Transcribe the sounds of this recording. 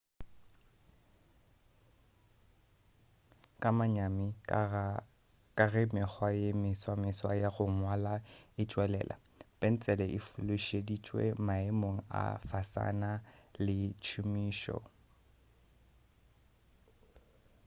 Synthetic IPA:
kʼamaɲamɪ | kʼarɪmɪk͡xʰwajemɪswamɪswajaɣʊmwalaɪt͡ʃʼwɛlɛ̰ːlʔa̰ | pʼen̩t͡sʼɛlɛʔɪfʊlʊʃedit͡ʃʼwḛmaemoŋ̩a̰fasa̰nalɪt͡ʃʰʊmiːʃɔ̰

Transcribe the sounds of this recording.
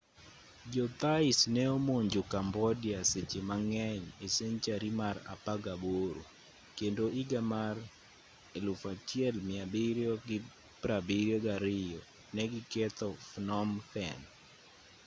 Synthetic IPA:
d͡ʒɔt̪aɪsnɛomoɲd͡ʒokambɔdiasɪt͡ʃɪmaŋɛɲeseɲt͡ʃaɾimaɾa̰paɡaboɾo̰ | kendoiɡamar | elʊfat͡ʃiɛlmɪabiɾjɔɡɪ | pɾabiɾjɔɡaɾɪjɔ | nɛɡɪkɛt̪ɔfnɔmθɛn

